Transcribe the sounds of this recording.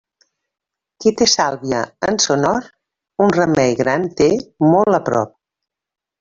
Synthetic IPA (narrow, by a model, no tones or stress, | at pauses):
kit̪esalˠβiəənsonɔɾ | unrəmɛjɣɾant̪emɔlˠəpɾɔ̰p̚